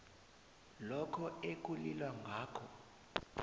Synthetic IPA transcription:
lɔkʰɔek̬ulilwaŋʱaːkʰɔ

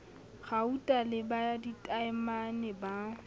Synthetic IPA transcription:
ɣautʼalɪbaditʼaɛmanɛba

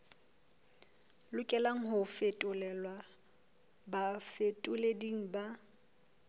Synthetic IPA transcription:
lʊkʼɛlaŋ̩ɦʊfetʼʊlɛlwa | bafetʼʊlediŋ̩ba

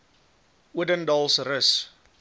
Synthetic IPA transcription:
ʔwədəndɔlˠsrəs

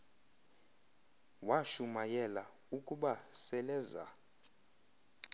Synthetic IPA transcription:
waʃumajɛla̰ | ukʼuɓasɛlɛːza̰

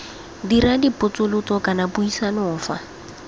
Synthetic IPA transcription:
diɾadipʊt͡sʼʊlʊt͡sʼɔkʼanapuisanɔːfa̰

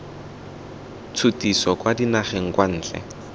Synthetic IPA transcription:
t͡sʰʊtisɔkwadinaχeŋ̩kwan̩ːt͡ɬʼɛ̰

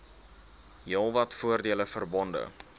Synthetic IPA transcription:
jəlˠvɐtfuərdiələfərbɔndə̰

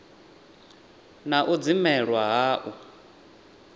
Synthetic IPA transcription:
naʔud͡zimɛɺwaɦaːʔu

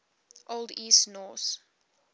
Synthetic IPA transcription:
ʔolˠdiːstnɔθ

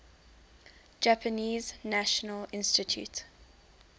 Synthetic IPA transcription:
d͡ʒapʰəniːznaʃənəlɪ̃nstɪtʰjṵt

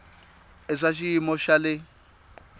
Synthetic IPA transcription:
ɛʂaʃ̬iimɔʃalɪ

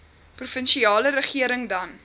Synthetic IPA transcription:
prufənʃiɑːləɾəχiəɾəŋdɐn

